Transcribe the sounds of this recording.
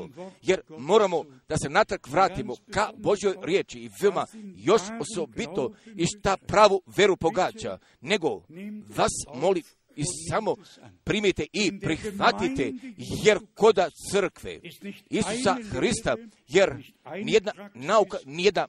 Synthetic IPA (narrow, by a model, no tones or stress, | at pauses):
oje̞ɾmo̞ːɾamo̞ | d̪̥ase̞nat̪r̩kʋɾaːt̪imo̞kabo̞ʒjo̞jɾjeːt͡ʃiːʋeomajo̞ʃo̞so̞bit̪o̞iʃt̪apɾaːʋuʋʲje̞ɾupo̞ɡaːd͡ʑa̰ | ne̞ɡo̞ʋasmo̞lim | isamo̞ | pɾiːmit̪e̞ʔipɾixʋat̪it̪e̞je̞ɾko̞d̪at̪sərkʋḛisu̥saxɾist̪a | je̞ɾ | nije̞d̪nanaukanijed̪na